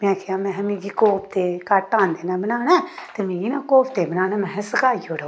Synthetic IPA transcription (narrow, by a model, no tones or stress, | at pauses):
mɛ̃ːkʰejãːmɛ̃ɦmĩːɡiːkoːpʰt̪eːkaʈãːnd̪eːnãːbənaːnɛːt̪eːmĩːɡiːnaːkoːpt̪eːbənaːnɛ̃mɛ̃ːɦsəkaːioːɽa